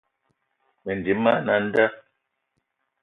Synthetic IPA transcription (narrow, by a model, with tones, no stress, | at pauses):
mɛ˨n˨di˨˦mːa˦na˨n̩˦da˦